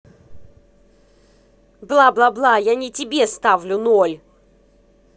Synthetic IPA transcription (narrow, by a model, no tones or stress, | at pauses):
blˠablˠablˠajanʲɪtʲɪbʲest̪avlʲʊnolʲ